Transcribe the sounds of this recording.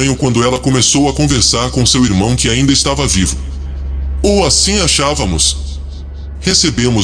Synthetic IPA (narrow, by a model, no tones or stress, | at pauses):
ɲʊkwɐ̃nd̪ʊɛlɐkõmesowɐkõveɾsaɾkõsewiɾmɐ̃w̃kɪaĩnd̪ɐɪst̪avɐvivʊ | oasĩaʃavɐmʊs | hesebẽmʊ